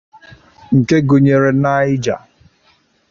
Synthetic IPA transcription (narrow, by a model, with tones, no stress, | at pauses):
ŋ̩˨ke˦ɡo˨ɲe˨ɾe˨na˦ɪ˦d͡ʒa̰˨